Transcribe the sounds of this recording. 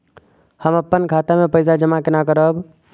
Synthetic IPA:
həməpːənkʰat̪amepəɪsad͡ʒəmakenakəɾəb

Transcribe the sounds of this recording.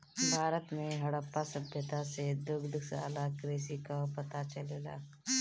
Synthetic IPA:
bʱaːɾət̪mẽɦɐɽəpːasəbʱjət̪ased̪ʊɡd̪sa̰ːlakɾeːsikapət̪at͡ʃəleːla̰ː

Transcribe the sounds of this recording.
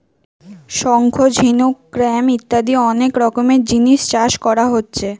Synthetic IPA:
ʃɔŋkʰod͡ʑʱinukːɾɛmit̪ːad̪iɔnekɾɔkomed͡ʑiniʃt͡ɕaʃkɔɾaɦotːɕʰe

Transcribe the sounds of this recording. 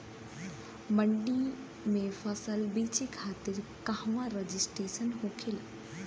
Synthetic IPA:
məɳɖi | mẽfɐsəlbiːt͡ʃikʰaːt̪ɪɾkahwãɾɐd͡ʒisʈɾeːsənɦokʰila

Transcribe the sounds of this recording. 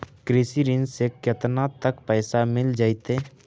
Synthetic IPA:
kɾɪsiɾɪnsekjət̪nat̪əkpɛːsamɪld͡ʒaːit̪e

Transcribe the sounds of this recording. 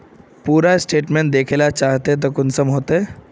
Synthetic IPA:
puːɾasʈeʈmeɳʈ̚d̪ekʰelat͡ɕaɦt̪et̪̬əkunsəmɦot̪e

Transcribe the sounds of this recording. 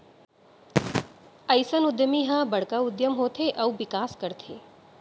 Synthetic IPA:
əjsənʊd̪jəmiːɦãbəɽkaʊd̪jəmɦot̪ʰeʔɐuʋɪkaːskəɾt̪ʰeː

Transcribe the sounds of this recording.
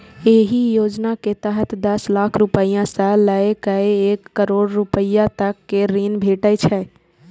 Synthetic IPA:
eɦijoːd͡ʒnaket̪əɦət̪ʰd̪əslaːkʰɾupəijãsə̃ləekəeeːkːəɾoːɽɾupəjãt̪əkːeɾiːnbʱeːʈəjt͡ʃʰɛ

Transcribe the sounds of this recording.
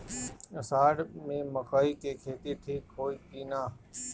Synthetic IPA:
əsaːɖmẽːməkaːiːkeːkʰeːt̪it̪ʰiːkɦoːiːpiːnaː

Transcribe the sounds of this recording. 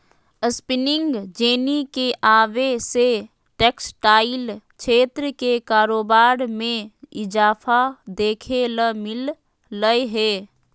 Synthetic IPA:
əspɪnɪ̃ŋɡd͡ʒeːnikeʔaːʋese | ʈeːksʈaːɪl | ʃʰeːt̪ɾəkekaːɾoːbaːɾmẽɪd͡ʒaːfad̪eːkʰeləmɪl | ləeɦeː

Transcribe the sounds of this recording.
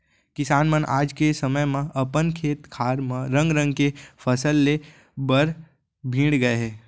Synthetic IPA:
kɪsaːnmənʔa̰ːd͡ʒkesɐməjmẽʔɐpənkʰeːt̪kʰaːɾmẽɾə̃ŋɡɾə̃ŋɡkefʰəsəlːe | bəɾ | bʱĩːɽɡɐeɦɛː

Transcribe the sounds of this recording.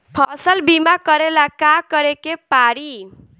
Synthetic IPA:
pʰʌsʌlbimakʌɾelakakʌɾekepaɽi

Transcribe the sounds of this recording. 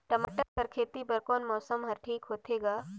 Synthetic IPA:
ʈɐma̰ʈəɾpɐɾkʰeːt̪ibɐɾkɔːnmɔːsəmɦɐɾʈʰiːkɦoːt̪eːɡaː

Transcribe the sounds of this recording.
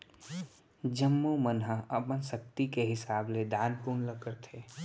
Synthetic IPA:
d͡ʒəmːomənɦəɐpənsək̚t̪ikeɦɪsaːbled̪aːnpuːnləkəɾt̪ʰeː

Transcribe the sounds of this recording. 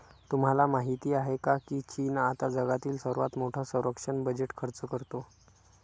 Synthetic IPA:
t̪um̤alamaɦit̪iːaɦekakiːt͡ɕinat̪ad͡zəɡat̪iːlsəɾʋat̪moʈʰasə̃w̃ɾəkʂəɳbəd͡ʑeʈkʰəɾt͡səkəɾt̪o

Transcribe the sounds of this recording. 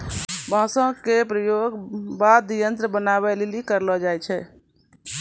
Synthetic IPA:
bʱãsə̃kepɾəjoɡbad̪ijənt̪ɾəbənaβɛlelikəɾlɔd͡ʒajt͡ʃʰɛ

